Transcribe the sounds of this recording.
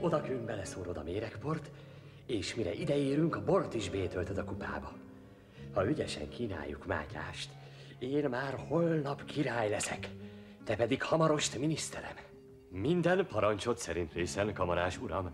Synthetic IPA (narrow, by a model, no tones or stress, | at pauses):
o̞d̪ɒkymbɛlɛsoːɾod̪ɒmeːɾɛkpo̞rt̪ | eːʃmiɾɛʔid̪ɛeːɾyŋkɒbo̞rt̪iʒbeːt̪ølt̪ɛd̪ɒkupa̰ːbɒ | hɒyɟɛʃɛ̰ŋkiːna̰ːjːṵkma̰ːca̰ːʃt̪ | eːnmaːrho̞lnɒpkʰiɾaːjlɛsɛk | t̪ɛpɛd̪ikhɒmɒɾo̞ʃt̪minist̪ɛɾɛ̰m | mind̪ɛnpɒɾɒnt͡ʃo̞t̪sɛɾint̪reːsɛnkɒmɒɾaːʃuɾɒm